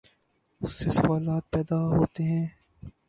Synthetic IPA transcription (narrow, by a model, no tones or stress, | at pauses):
ʊsːesɐwaːlaːt̪̚pɛːd̪aɦoːt̪eɦɛ̃ː